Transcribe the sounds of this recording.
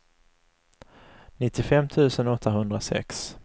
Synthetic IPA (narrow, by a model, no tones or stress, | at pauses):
nɪt̪ːɪfɛmːt̪ʰʉ̟ːsənɔt̪ʰːaɦɵnd̪ɾasɛ̰ks